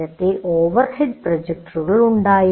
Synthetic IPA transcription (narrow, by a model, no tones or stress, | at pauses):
ɐt̪ːeʔoːʋɐɾhɪɖ̚prɐd͡ʒek̚ʈuɣɐɭuɳɖaːji